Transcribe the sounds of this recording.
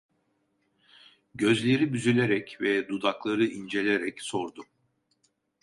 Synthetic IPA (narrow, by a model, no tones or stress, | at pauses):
ɟø̞zlʲe̞ɾibyzylʲe̞ɾɛcvɛd̪ud̪aklˠaɾɯʔind͡ʒe̞lʲe̞ɾɛcso̞ɾd̪u